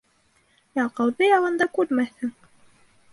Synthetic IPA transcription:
jɑqɑwðɤjɑʁɤ̆nd̪ɑkʉɾmæθhɘŋ

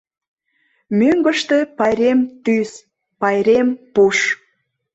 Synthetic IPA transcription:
møŋɡəʃt̪epɑjɾemt̪ys | pɑjɾempuʃ

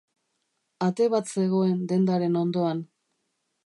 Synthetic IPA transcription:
at̪e̞βat̪se̞ɣ̞o̞e̞nd̪e̞nd̪aɾe̞no̞nd̪o̞an

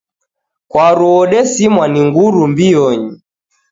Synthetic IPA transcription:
kwaɾuɔɗɛsimwaniŋɡuɾumbiɔɲi

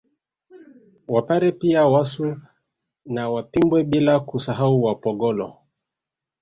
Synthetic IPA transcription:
wapaɾɛpiawasu | nawapimbwɛɓilakusaɦauwapɔɡɔlɔ̰

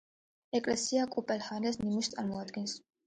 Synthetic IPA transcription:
ekʼlesiakʼupʼelhanesnimuʃt̪ʰalmuat̪ɡins

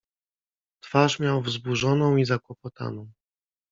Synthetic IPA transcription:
t̪faʂmʲjawvzbuʐɔnɔ̃w̃izakwɔpɔt̪a̰nɔ̃w̃

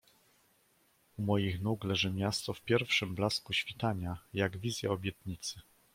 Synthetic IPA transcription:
umɔjixnuklɛʐɘmʲjast̪ɔfpʲjɛɾfʂɘmblaskuɕfʲit̪aɲajaɡvʲizʲja̰ɔbʲjɛt̪ɲit̪sɘ

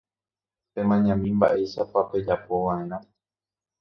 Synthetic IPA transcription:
t̪e̞mãɲãmĩmba̰ʔe̞jʃapape̞d͡ʒapo̞ʋãẽ̞ɾ̃ã

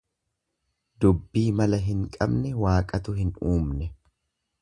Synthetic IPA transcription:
d̪ʊbːiːmɐlɐɦɪŋkʼɐ̰bnɛwaːkʼɐt̪ʊhɪnuːmnɛ

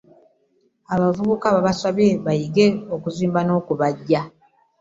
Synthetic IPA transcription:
aβavuβukaβaβasaβeβajiɡe̞okuziːmbano̞ːkuβaɟːa

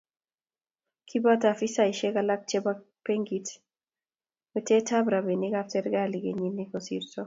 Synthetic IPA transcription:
kʰibatafisaiʃɛkalak̚t͡ʃɛba | peŋɡit | mɛtɛtabɾabenɪkaftɛɾɡaliɡeɲinːikɔsḭɾsɔ

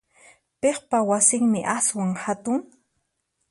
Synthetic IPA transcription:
peχpawasɪŋmɪʔaswaŋhat̪ʊŋ

